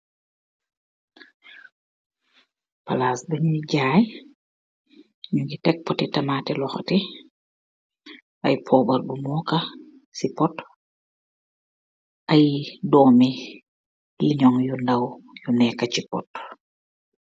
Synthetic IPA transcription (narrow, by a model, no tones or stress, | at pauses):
pɐlaːsbɐɲuɟaːj | ɲuŋɡitɛk̚pɔtitɐmaːtilɔxɐti | ɐjpʰɔːbɐrbumɔːkɐ | sipɔt | ɐjdɔːmi | liɲɔŋjundɐwjunɛkɐcipɔ̰t